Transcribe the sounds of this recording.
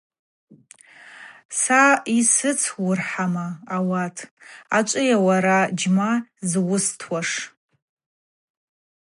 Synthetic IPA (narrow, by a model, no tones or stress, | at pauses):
saisɨt͡sʰwʊrħamaːwatʰʼat͡ʃʷʼɨjawaɾad͡ʒmazwʊstʰwaʂ